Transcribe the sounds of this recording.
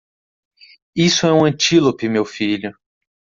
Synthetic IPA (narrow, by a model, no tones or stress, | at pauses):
isʊɛũɐ̃t͡ʃilopɪmewfiʎʊ